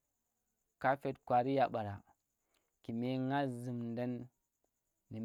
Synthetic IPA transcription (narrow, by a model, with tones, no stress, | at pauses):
ka˦fe˦tkwa˨ɾi˦ja˨ɓa˨ɾa˨ | ki˨me˦ŋa˦zi˨mndə˦n | i˨m